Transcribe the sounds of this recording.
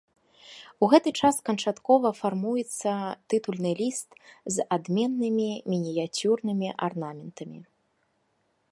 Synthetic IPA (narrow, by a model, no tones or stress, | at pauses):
uɣɛt̪ɨt͡ʂaskɐnt͡ʂat̪kɔvɐfarmujɛt̪sːɐt̪ɨt̪ulʲnɨlʲist̪zad̪mʲɛnːɨmʲimʲinʲijat͡sʲurnɨmʲiʔarnamʲɛnt̪ɐmʲḭ